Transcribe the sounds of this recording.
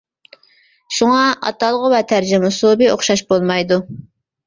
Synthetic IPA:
ʃuŋɑɑ̰t̪ɑlˠʁʊvɛt̪ʰæɾd͡ʒɪmɪsubɪoχʃɑʃbolˠmɑjd̪u

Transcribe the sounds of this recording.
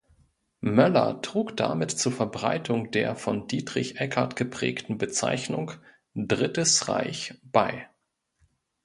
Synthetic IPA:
mœlɐ̰tʁ̥uːkd̥a̰mɪtt͡suːɐfɛɐbʁaɪtʰʊŋd̥eːɐfɔndiːtʁ̥ɪçʔɛkʰaɐtɡ̥əpʁ̥ɛ̰ːktn̩bət͡sa̰ɪçnʊŋ | dʁɪtəsʁa̰ɪçb̥aɪ

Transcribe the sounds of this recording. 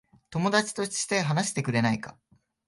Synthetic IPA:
t̪o̞mo̞d̪at͡ɕi̥t̪o̞̥t͡ɕi̥t̪e̞ɦanaɕi̥t̪e̞kɯ̟ɾe̞naika̰

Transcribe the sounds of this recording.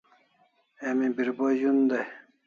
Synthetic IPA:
emĩbiɾboʑund̪aj

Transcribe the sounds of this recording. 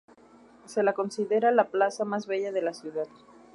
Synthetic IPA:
selakonsiðeɾalaplasamazβeʎað̞elasjuðat̪̚

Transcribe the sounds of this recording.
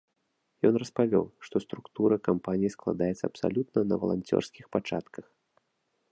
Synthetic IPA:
jɔnrɐspavʲɔ̰wʂt̪ɔst̪ɾukt̪uɾɐkampanʲijisklˠa̰d̪ajɛt̪sːɐ̰ːpsa̰lʲut̪̚nɐnɐ̰vɐ̰lˠa̰nʲt͡sʲɔ̰rsʲkʲixpat͡ʂat̪kɐx

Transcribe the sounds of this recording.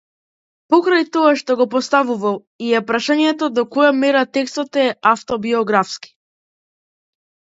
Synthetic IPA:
pɔkɾajt̪ɔaʃt̪ɔɡɔpɔst̪avuvalˠ | iɛpɾaʃaɲɛt̪ɔd̪ɔkɔjamɛɾat̪ɛkst̪ɔt̪ɛaft̪ɔbiɔɡɾafski̥

